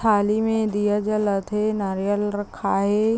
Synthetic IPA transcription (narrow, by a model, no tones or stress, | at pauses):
aːlimẽd̪ijad͡ʒəlɐt̪ʰenaːɾijəlɾɐkʰaːɦeː